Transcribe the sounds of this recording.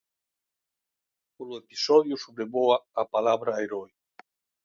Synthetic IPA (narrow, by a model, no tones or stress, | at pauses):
polʊepi̥sɔðjusoβɾeβoaapalaβɾaeɾɔj